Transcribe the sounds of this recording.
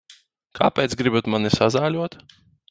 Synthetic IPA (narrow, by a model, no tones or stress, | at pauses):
kʰa̰ːpʲɛːt̪sɡɾibut̪manisazaːlʲuɔt̪